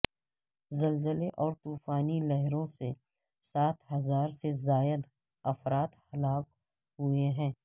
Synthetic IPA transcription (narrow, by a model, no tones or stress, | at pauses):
zɐlzəleʔɔːɾt̪uːfaːnilɛɦɾõse | saːt̪ʰɦɐzaːɾsezaːjəd̪ | ɐfɾaːt̪hɐlaːk̚ | ɦueɦɛ̃ː